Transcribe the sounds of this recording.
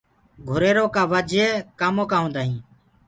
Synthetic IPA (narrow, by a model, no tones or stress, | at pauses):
ɡʱʊɾeːɾoːkaːʋəd͡ʒʱeːkaːmoːkaːɦõːnd̪aːɦĩː